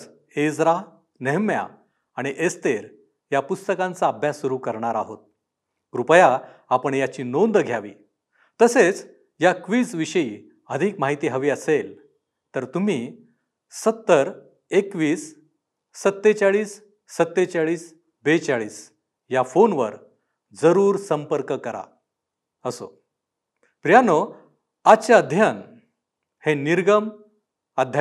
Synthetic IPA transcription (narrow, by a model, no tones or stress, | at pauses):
ed͡zɾa | neɦmja̰ | aɽ̃iʔest̪eɾ | japust̪əkãnt͡saːbʱjasːuɾuːkəɾɳaɾaɦot̪̚ | ɾupəja | apəɳjat͡ɕiːnond̪ɡʱjaʋḭː | t̪əset͡s | jakʋiːt͡sʋiɕəi | əd̪ʱiːkmaɦit̪iːɦəʋiːəsel | t̪əɾt̪um̤iː | sət̪ːəɾ | ekʋiːsː | ət̪ːet͡saɭiːsː | ət̪ːet͡saɭiːs | bet͡saɭiːs | jafonʋə̰ɾ | d͡zəɾuːɾsəmpəɾkəkəɾa̰ | əso̰ | pɾijano | at͡ɕad̪ʱjan | heniɾɡəm | ad̪ʱja